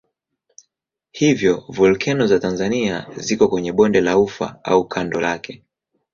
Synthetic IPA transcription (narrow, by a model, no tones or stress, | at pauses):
hivjɔvulkʰɛnɔzatanzaniazikɔkwɛɲɛɓɔndɛlaufa̰a̰ukʰandɔlakɛ